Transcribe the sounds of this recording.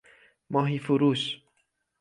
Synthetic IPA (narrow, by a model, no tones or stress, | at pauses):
mɑːɦifuɾuːʃ